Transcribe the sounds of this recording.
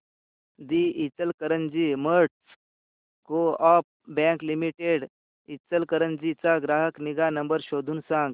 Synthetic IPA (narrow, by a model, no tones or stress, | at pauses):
d̪iit͡səlkəɾənd͡ʑiməɾʈs | koɔp̚bɛ̃klimiʈeɽ | it͡səlkəɾənd͡ʑit͡saɡɾaɦəkniɡanəmbəɾɕod̪ʱuːnsãŋɡ